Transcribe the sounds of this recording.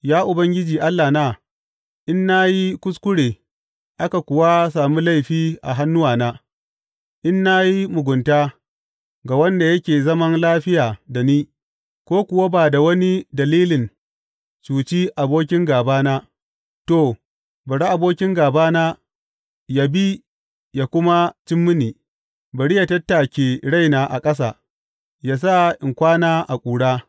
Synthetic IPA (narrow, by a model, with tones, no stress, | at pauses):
jaː˦ʔʊ˨bɐ˦ŋɡʲɪ˦d͡ʒiː˨ʔa˦lːaː˨naː˦ | ʔɪ˦nːa˦ji˦kʷʊ˦skʷʊ˦ɽeː˨ | ʔa˦ka˨kʷʊ˨wa˦saː˨mu˦la˦jɸiː˦ʔa̰˨ɦa˦nːʊ˦waː˨naː˦ | ʔɪ˦nːa˦ji˦mʊ˨ɡʷʊ˨ntaː˦ | ɡa˨wɐ˦nda˨jɐ˦kʲeː˨zɐ˦mɐ˦nlaː˦ɸɪ˦jaː˨da˨niː˦ | kʷoː˦kʷʊ˨wa˦baː˨da˨wɐ˦ni˦dɐ˨liː˦lɪ˨n | t͡ʃuː˨t͡ʃi˦ʔa˨boː˦kʲɪ˦ŋɡaː˨baː˦naː˦ | toː˦˨ | bɐ˨ɽa˦ʔa˨boː˦kʲɪ˦ŋɡaː˨baː˦naː˦ | ja˨bi˦ | jaː˨kʷʊ˦ma˦t͡ʃɪ˦mːʊ˦niː˨ | bɐ˨ɽi˦ja˨tɐ˦tːa˨kʲeː˨ɽa˦jnaː˨ʔa̰˨kʼɐ˦s̬a̰˨ | jaː˦s̬a˦ʔɪ˨ŋkʷaː˦naː˦ʔa˨kʷʼuː˨ɽaː˦